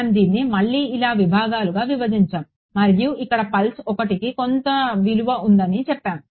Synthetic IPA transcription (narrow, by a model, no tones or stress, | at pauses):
md̪iːnːimɐɭːiːilaːʋibʱaːɡaːluɡaːʋiʋɐd̪iɲt͡ʃaːm | mɐɾjuʔikːɐɽɐpɐlsɔkɐʈikikont̪ɐʋiluʋɐʔund̪ɐnit͡ʃɛpːaːm